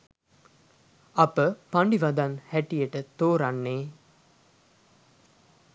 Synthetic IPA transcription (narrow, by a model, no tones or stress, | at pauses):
ɐpəpaɳɖiʋad̪anhæʈijəʈət̪oːɾanːeː